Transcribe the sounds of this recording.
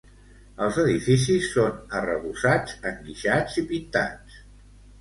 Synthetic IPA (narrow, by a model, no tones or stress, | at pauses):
əlˠzəðifisisːonərəβusad͡zəŋɡiʃad͡zipint̪a̰t͡s